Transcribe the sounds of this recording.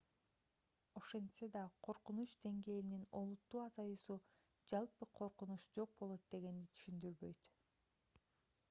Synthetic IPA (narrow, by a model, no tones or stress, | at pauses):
o̞ʃe̞nsed̪ɑqʰo̞ɾqunut͡ʃd̪e̞ŋɡe̞ːlinino̞lˠut̪ːuːɑzɑjusu | d͡ʒɑlˠpɯqʰo̞ɾqunuʃd͡ʒo̞q̚bo̞lˠo̞t̪̚d̪e̞ɡe̞nd̪it̪ʰy̥ʃynd̪yɾβø̞jt̪